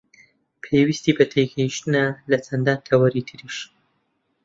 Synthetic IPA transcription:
pʰewist̪iːbɐt̪ʰeɡɐjiʃt̪ɨnɐlɐt͡sʰɐnd̪aːnt̪ʰɐwɐɾit̪ʰɨɾiʃ

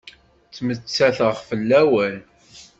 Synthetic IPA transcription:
t͡sːmət͡sːæθəʁfəlːæwæl

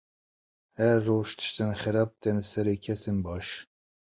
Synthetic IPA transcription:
hɛɾːoːʃt̪ʰɨ̥ʃt̪ɨnxɛɾɑːp̚t̪ʰɛnɨsɛɾeːkʰɛsenbɑːʃ

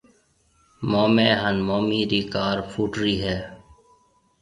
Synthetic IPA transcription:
moːmeːɦənmoːmiːɾiːkaːɾfʰuːʈɾiːɦɛː

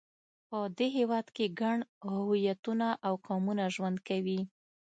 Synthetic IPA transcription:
pəd̪eɦewɑd̪keɡaɳhʊujat̪unaʔawkɑmunaʒwand̪̚kawi

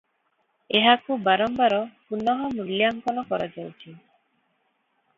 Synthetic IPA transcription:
eɦakubaɾɔmbaɾɔpunɔɦɔmuljaŋkɔnɔkɔɾad͡ʒawt͡ʃʰi

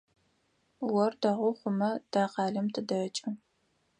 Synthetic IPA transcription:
wɔrdɐʁʷʊχʷʊmɐd̥aːqɑːɮɐmtʰɨdɐt͡ʃʼɨ

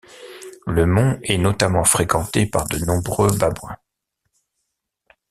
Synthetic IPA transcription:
ləmɔ̃ɛnɔt̪amɑ̃fχekɑ̃t̪epaʁd̪ənɔ̃bʁøbabwɛ̃

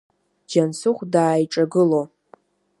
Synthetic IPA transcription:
d͡ʒansʊχʷdaːjʈ͡ʂʼaɡɨlo

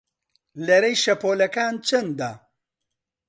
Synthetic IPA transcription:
lɐɾɛjʃɐpoːlɐkaːnt͡ʃʰɐnd̪aː

